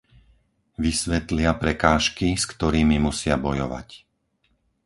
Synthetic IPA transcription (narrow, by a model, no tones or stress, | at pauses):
ʋisʋɛt̪lɪapɾɛkaːʃkiskt̪ɔɾiːmimusɪabɔjɔʋa̰c